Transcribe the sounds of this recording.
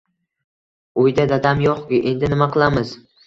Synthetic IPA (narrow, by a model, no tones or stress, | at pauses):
ojd̪ad̪ad̪amjɒqkʲɪʔe̞nd̪ɪnɪmaqʰɨlˠamɪz